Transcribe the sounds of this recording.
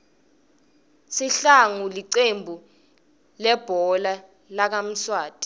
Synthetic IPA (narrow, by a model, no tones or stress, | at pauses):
siɬaŋuliǀembʱu | lɛb̥ʱɔla | lak̬am̩swaːtʼi̥